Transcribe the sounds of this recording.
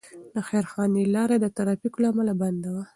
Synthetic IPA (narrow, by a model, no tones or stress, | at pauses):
d̪əxaɾxɑnilɑɾad̪ət̪aɾɑfiklaamalaband̪awa